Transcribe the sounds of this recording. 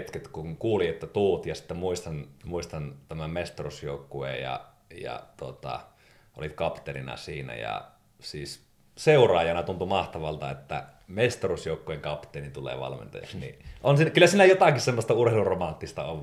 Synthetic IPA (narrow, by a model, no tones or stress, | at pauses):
t̪ket̪kuŋkuːliet̪ːæt̪uːt̪jɑsi̥t̪ːæmuist̪ɑnmuist̪ɑnt̪æmæmest̪orusjoˑukːuḛjɑ̰ | jɑ̰t̪uot̪ɑ̰ | ʔo̰lit̪kɑpt̪erinɑ̰siːnæ̰jɑ̰ | siːs | seurˑɑːjɑnɑt̪unt̪umɑht̪ɑʋɑlt̪ɑet̪ːæ̰ | mest̪orusjoˑukːueŋkɑpt̪ˑelint̪ulḛːʋɑ̰lmḛnt̪ɑ̰jɑ̰ksnḭʔonsikylːæsiːnæjot̪ɑkissemːost̪ɑurheluromɑnt̪ːist̪ɑoʋ